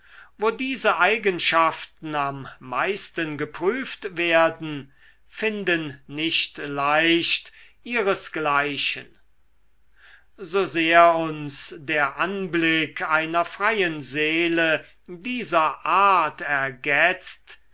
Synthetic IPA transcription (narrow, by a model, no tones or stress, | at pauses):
voːdiːzəʔaɪɡənʃaftn̩amːaɪstənɡəpʁ̥yːftveːɐdn̩ | fɪndənːɪʃtlaɪʃtʔiːʁəsɡ̥laɪʃən | zozeːɐʊnsdeːɐʔanblɪkʰaɪnɐfʁ̥ajənzeːlə | diːzɐʔaːɐtɛɐɡɛt͡st